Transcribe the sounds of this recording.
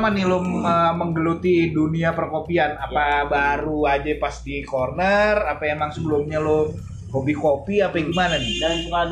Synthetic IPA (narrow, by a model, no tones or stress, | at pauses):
manilʊməməŋɡəlut̪iduniapərkopianapabaɾuad͡ʒapast̪ikornərapaemaŋsəbəlʊmɲalʊ | kobikopiapaɡimananɪ